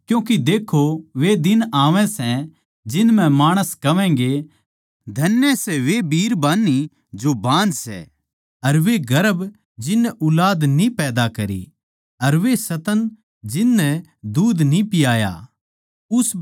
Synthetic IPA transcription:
kjũːk̬id̪eːkʰoʋed̪ɪnaːʋɛ̃sɛ̃ | d͡ʒɪnmɛ̃maːɽ̃əskɐʋɛ̃ːɡe | d̪ʱɐnːjɛsɛʋebiːɾbaːnːi | d͡ʒobãːnd͡ʒsɛ̰ː | ɐɾʋeɡɐɾəb | d͡ʒɪnːɛʔʊlaːd̪nĩpɛːd̪akɐɾḭ | ɐɾʋesɐt̪ən | d͡ʒɪnːɛd̪uːd̪nĩpɪjaːja̰ | ʊs

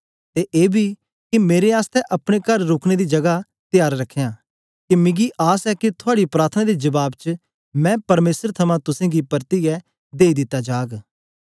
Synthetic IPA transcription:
t̪eʔeːbʱi | kimeːɾeaːst̪ʰɛʔɐpɽ̃ekɐɾːoːkʰɽ̃ed̪id͡ʒɐɡa | t̪ɪjaːɾɾɐkʰːejãː | kimɪ̃ɡiʔaːsɛkit̪ʰʊaːɽipɾaːɾt̪ʰənãd̪ed͡ʒɐbaːbt͡ʃə | mɛ̃ːpɐɾmeːsəɾt̪ʰɐmãt̪ʊsẽːɡipɐɾt̪iɡɛ | d̪eːid̪ɪt̪ːad͡ʒaːɡ

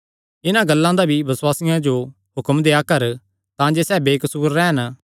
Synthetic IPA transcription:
ɪnãɡɐlːãd̪abʱibɐswaːsɪjãd͡ʒo | ɦʊkəmd̪eːakɐɾ | t̪ãːd͡ʒesɛːbeːkəsuːɾːɛːɦən

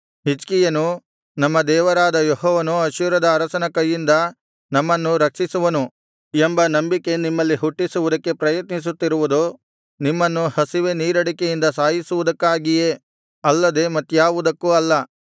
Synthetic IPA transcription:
ɦit͡ʃkijɐnu | nɐmːɐd̪ɛːʋɐɾaːd̪ɐjɔɦɔːʋɐnuɐʃuːɾɐd̪ɐːɾɐsɐnɐkɐjːind̪ɐ | nɐmːɐnːuɾɐkʂisuʋɐnu | embɐnɐmbike̞nimːɐlːiɦuʈːisuʋud̪ɐkːe̞pɾɐjɐt̪nis̬ut̪ːiɾuʋud̪u | nimːɐnːuhɐsiʋeniːɾɐɽikejind̪ɐsaːɦisuʋud̪ɐkːaːɡije̞ | ɐlːɐd̪e̞mɐt̪ːjaːʋud̪ɐkːuɐlːɐ

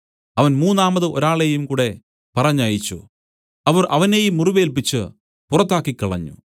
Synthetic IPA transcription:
ɐʋɐnmuːnːaːmbɐðɨʔo̞ɾaːɭe̞jumkuːɽe̞ | pɐrɐɲːaːjit͡ɕːṵ | ɐʋɐrʔɐʋɐnejumːuriʋe̞ːlp̬it͡ɕːɨ | purɐt̪ːaːkːikːɐɭɐ̰ɲːṵ

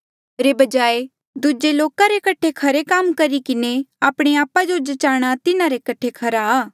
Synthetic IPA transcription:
ɾebɐd͡ʒaːe | d̪ud͡ʒeloːkaɾekɐʈʰekʰɐɾekaːmkɐɾikɪneaːpɽ̃eaːpad͡ʒod͡ʒɐt͡ʃaːɽ̃at̪ɪnaɾekɐʈʰekʰɐɾaː

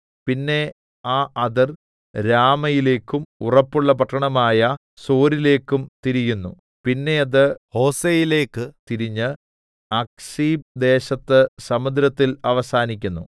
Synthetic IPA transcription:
pinːe̞ | aːʔɐðɐr | ɾaːmɐjile̞ːkːumurɐpːuɭːɐp̬ɐʈʰːɐɳɐmaːjɐ | so̞ːɾile̞ːkːumt̪iɾijunːṵ | pinːe̞ɐðɨho̞ːsejile̞ːkːɨt̪iɾiɲːɨ | ɐk̚siːb̚d̪e̞ːɕɐt̪ːɨsɐmud̪ɾɐt̪ːilɐʋɐsaːnikʲːunːṵ

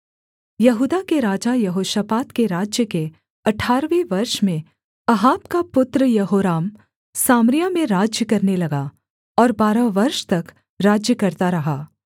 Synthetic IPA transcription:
jɐɦuːd̪akeɾaːd͡ʒajɐɦoːʃapaːt̪keɾaːd͡ʒjəke | ɐʈʰːaːɾʋiʋɐɾʃmẽ | ɐɦaːbkapʊt̪ɾəjɐɦoːɾaːm | saːmɾijamẽɾaːd͡ʒjəkɐɾnelɐɡa | ɔːɾbaːɾaʋɐɾʃt̪ɐk | ɾaːd͡ʒjəkɐɾt̪aɾɐɦaː

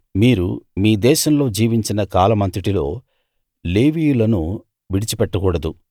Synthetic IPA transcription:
miːɾṵmiːd̪ɛːʃɐmlo̞ːd͡ʒiːʋiɲt͡ʃinɐkaːlɐmɐnt̪iʈilo̞ː | leːʋiːjulɐnu | ʋiɽit͡ʃipɛʈːɐkuːɽɐd̪u

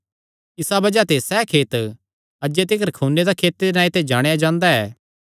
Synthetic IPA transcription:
ɪsabɐd͡ʒat̪esɛːkʰeːt̪ | ɐd͡ʒet̪̬ɪkəɾkʰuːnːed̪akʰeːt̪ːed̪enãːit̪ed͡ʒaːɽ̃ejad͡ʒãːnd̪aɛː

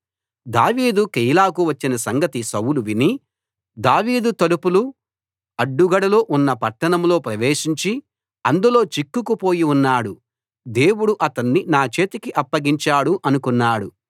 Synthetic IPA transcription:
d̪aːʋiːd̪ukejlaːkuʋɐt͡ʃːinɐsɐŋɡɐt̪isɐwuluʋini | d̪aːʋiːd̪ut̪ɐlupulu | ɐɖːuɡɐɽɐlo̞ːʔunːɐpɐʈːɐɳɐmlo̞ːpɾɐʋeːʂiɲt͡ʃi | ɐnd̪ulo̞ːt͡ʃikːukupo̞ːjiunːaːɽu | d̪e̞ːwuɽuʔɐt̪ɐnːinaːt͡ʃe̞ːt̪ikiʔɐpːɐɡiɲt͡ʃaːɽuʔɐnukunːaːɽu

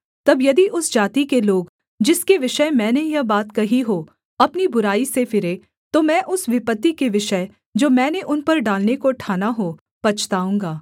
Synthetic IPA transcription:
t̪ɐbjɐd̪iʔʊsd͡ʒaːt̪ikeloːɡ | d͡ʒɪskeʋɪʃəemɛ̃ːnejɐɦbaːt̪kɐɦiɦoː | ɐpnibʊɾaːisefɪɾe | t̪omɛ̃ːʔʊsʋɪpət̪ːikeʋɪʃə | d͡ʒoːmɛ̃ːneʔʊnpɐɾɖaːlnekoʈʰaːnaɦoː | pɐt͡ʃʰt̪aːũːŋɡaː

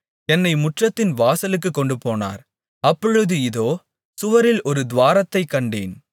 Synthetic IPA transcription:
ɛnːɐɪmʊʈrɐt̪ːɪnʋaːsɐlɯk̬ːɯkːɔɳɖɯpoːna̰ːɾ | ɐpːɔɻɯðɯɪðoː | sʊʋɐɾɪlʔɔɾɯd̪ʋaːɾɐt̪ːɐɪkːɐɳɖḛːn

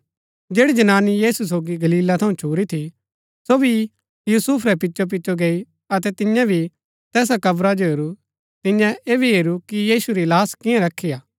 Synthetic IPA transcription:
d͡ʒeːɽid͡ʒɐnaːnijiːsus̬oːɡiɡɐliːlat̪ʰɐũt͡ʃʰuːɾit̪ʰi | soːbi | juːsuːpʰɾɛpɪtːʃop̬ɪʃoɡeːi | ɐt̪ɛt̪ɪ̃jãbʱi | t̪ɛːs̬akɐbɾad͡ʒoɦeːɾu | t̪ɪ̃jãeːbʱiɦeːɾukijiːsuɾilaːskɪ̃jãɾɐkʰːijaː

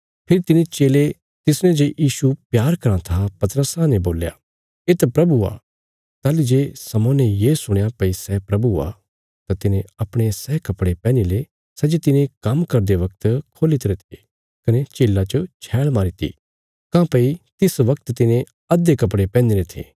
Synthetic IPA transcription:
pʰɪɾit̪ɪnẽt͡ʃeːle | t̪ɪsnẽd͡ʒejiːʃupjaːɾkɐɾãt̪ʰapɐt̪ɾəsanɛboːlja̰ | eːt̪ɛpɾɐbua̰ | t̪aːlid͡ʒeːsɐmõnɛjeːsʊɽ̃japɐisɛːpɾɐbua̰ | t̪at̪ɪnẽɐpɽ̃esɛːkɐpɽepɛ̃ːnile | sɛd͡ʒet̪ɪnẽkɐmkɐɾd̪eʋɐk̚t̪kʰoːlit̪ɾet̪ʰe | kɐnet͡ʃeːlːat͡ʃot͡ʃʰɛːɭmaːɾit̪ʰḭ | kãːpɐit̪ɪsʋɐkt̪t̪ɪnẽ | ɐd̪ekɐp̬ɽepɛ̃ːnd̪iɾet̪ʰḛː

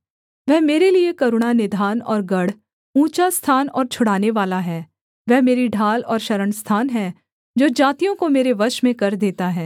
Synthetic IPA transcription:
ʋɛɦmeːɾeliekɐɾʊɽ̃anɪd̪ʱaːnɔ̰ːɾɡɐɽ̤ | ũːt͡ʃast̪ʰaːnɔ̰ːɾt͡ʃʰʊɽaːneʋaːlaɦɛː | ʋɛɦmeːɾiɖʱaːlɔːɾʃɐɾəɳst̪ʰaːnɦɛː | d͡ʒoːd͡ʒaːt̪ijõkomeːɾeʋɐʃmẽkɐɾd̪eːt̪aɦɛː

